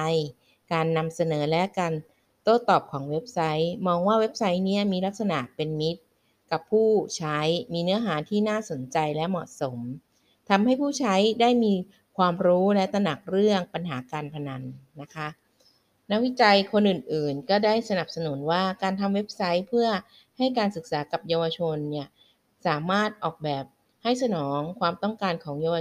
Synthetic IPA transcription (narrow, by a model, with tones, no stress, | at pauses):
j | kaː˧nːa˧msa˧nɤː˩˦lɛ˦˥kaː˧n | t̪oː˥˩t̪ɔː˨˩p̚kʰɔː˩˦ŋwe˦˥p̚sa˦˥jmɔː˧ŋwaː˥˩we˦˥p̚sa˦˥jni˦˥ɐmiː˧la˦˥k̚sa˧na˨˩ʔpe˧nmi˦˥t̪̚ | ka˨˩pʰːuː˥˩t͡ɕʰa˦˥jmiː˧nɯ˦˥ɐɦaː˩˦t̪ʰiː˥˩naː˥˩so˩˦nt͡ɕa˧jlɛ˦˥mɔ˨˩ʔso˩˦m | t̪ʰa˧mha˥˩jpʰuː˥˩t͡ɕʰa˦˥jdaː˥˩jmiː˧ | kʰwaː˧mɾuː˦˥lɛ˦˥t̪a˧na˨˩k̚ɾɯ˥˩əŋpa˧nɦaː˩˦kaː˧npʰa˧na˧nːa˦˥kʰa˦˥ | na˦˥k̚wi˦˥t͡ɕa˧jkʰo˧nʔɯ˨˩nʔɯː˨˩nkɔː˥˩daː˥˩jsa˧na˨˩p̚sa˧nu˩˦nwaː˥˩kaː˧nt̪ʰa˧mwe˦˥p̚sa˦˥jpʰɯ˥˩ɐ | ha˥˩jkaː˧nsɯ˨˩k̚saː˩˦ka˨˩p̚jaː˧wa˧t͡ɕʰo˧nːi˥˩ɐ | saː˩˦maː˥˩t̪̚ʔɔː˨˩k̚bɛː˨˩p̚ | ha˥˩js̬a˧nɔː˩˦ŋkʰwaː˧mt̪ɔ˥˩ŋkaː˧nkʰɔː˩˦ŋjaː˧wa˧